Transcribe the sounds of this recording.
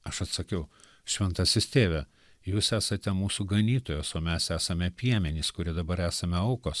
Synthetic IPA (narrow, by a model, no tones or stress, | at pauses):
ɐʃɐt̪sɐkʲɛʊ | ʃʲʋʲɛnt̪ɐsʲɪst̪ʲeːʋʲɛ | juːsæːsɐt̪ʲɛmuːsuɡɐnʲiːt̪oːjoːsoːmʲɛsæːsɐmʲɛpʲiɛmʲɛnʲiːskʊɾʲiɛd̪ɐbɐɾæːsɐmʲɛɐʊkoːs